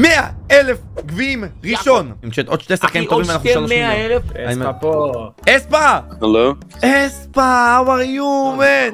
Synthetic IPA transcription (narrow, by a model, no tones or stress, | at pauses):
meaelefɡviimʁiʃo̞nimkʃet̪od̪̥ʃt̪esaχkaimt̪ovimanaχuleaelefeaimapo | espahalo | espawaʁjumen